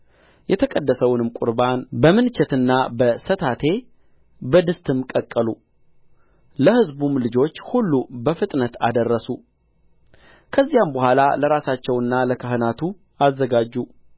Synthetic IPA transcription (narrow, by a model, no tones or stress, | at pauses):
jɛt̪ʰəkʼəd̪ːəsəwʊnɨmkʼʊ̰ɾbanbəmɨnt͡ʃʰɛt̪ɨnːabəsət̪ʰat̪ʰe̞ | bəd̪ɨst̪ʰʼɨmkʼəkʼːəlu | ləhɨzbumlɨd͡ʒo̞t͡ʃːhulːubəfɨt̪ʼnət̪ʰa̰d̪ərːəsu | kʰəzːijambəhʷala̰ləɾasat͡ʃːɛwɨnːaləkʰəɦɨnat̪ʰu | azːəɡad͡ʒːu